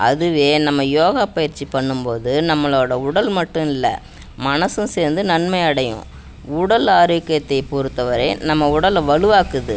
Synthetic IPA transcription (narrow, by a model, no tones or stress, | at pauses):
ʔɐðɯʋeːnɐmːɐjoːɣaːpɐjɪɾt͡ʃːipɐɳːɯmpoːðɯnɐmːɐɭoːɽɐʊɽɐlmɐʈːɯ̃ɪlːɐ̰ | mɐnɐsɯ̃seːɾnd̪ɯnɐnmɐɪɐɽɐjʊ̰̃ | ʊɽɐlɐɾɯʋɪkːɐjɐt̪ːɐɪpʊɾɯt̪ːɐʋɐɾɐɪnɐmːɐʊɽɐlʋɐɭɯʋaːkɯðɯ̰